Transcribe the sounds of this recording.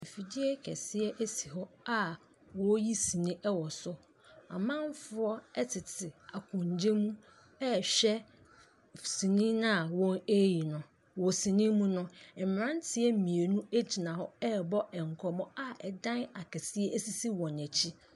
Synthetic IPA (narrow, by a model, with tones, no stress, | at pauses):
e˨fi˨di˦ɛ˦kʰɛ̰˨sɪ˦ɛ˦ʔæ˦si˨ɦɔ˦a˨ | wɔ˦ji˦si˨nĩ˦ʔɛ˦wɔ˨sʊ˦ | a̰˨mã˦n˦fʊ˦ɔ˦ɛ˦tʰɪ˨tʰɪ˨a˨kʰʊ̃˨ɲ˨d͡ʑẽ˦mũ˦ | ɛ˦ɕᶣɛ˦ | sĩ˨nĩ˦nã˦˨wɔ̃˦ne˦ji˨nʊ̃˨ | wɔ˨si˨nĩ˦mũ˦nʊ̃˦˨m˨ɾã˦n˦tʰɪ˦ɛ˦m̩˨mĩ˨e˨nũ˦e˦d͡ʑi˨nã˨hɔ˦ɛ˦bɔ˦ʔɛ˨ŋ̩˨kʰɔ˨mɔ̃˦a˦ɛ˨dã˦na˨kʰɛ˨sɪ˦ɛ˦ʔæ˦si˦si˦wɔ̃˨næ˨t͡ɕʰi˦